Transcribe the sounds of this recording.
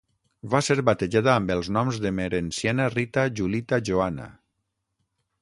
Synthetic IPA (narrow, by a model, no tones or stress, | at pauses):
βaseɾβat̪eʒaðaːmbelˠznɔmzðemeɾensjanarit̪aʒulit̪aʒoana̰